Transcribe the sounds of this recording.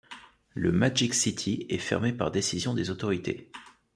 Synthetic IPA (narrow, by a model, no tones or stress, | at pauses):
ləmad͡ʒiksit̪ʰiɛfɛ̰ʁmepaʁd̪esizjɔ̃d̪ezot̪ɔʁit̪ʰḛ